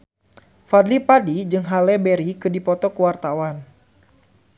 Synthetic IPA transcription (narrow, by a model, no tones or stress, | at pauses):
fadlipadid͡ʒɨŋɦalɛbɛɾikɨdipɔt̪ɔkuwart̪awan